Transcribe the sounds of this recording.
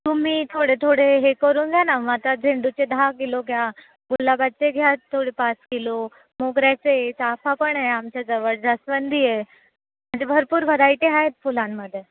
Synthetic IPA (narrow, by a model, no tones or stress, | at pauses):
t̪um̤it̪ʰoɽet̪ʰoɽeɦekəɾũnɡʱjanaʋat̪ad͡zʱeɳɖut͡ɕed̪ʱaɡeloɡja | ɡulːabat̪̚t͡seɡʱjat̪ʰːoɽipasɡelo | moɡɾjat͡set͡sapʰapəɳeamt͡ɕjad͡zəʋəɭd͡zasʋənd̪ʱie | m̤ə̃ɳd͡zebʱəɾpuːɾbʱəd̪aiʈ̪eɦaet̪̚pulãnməd̪ʱje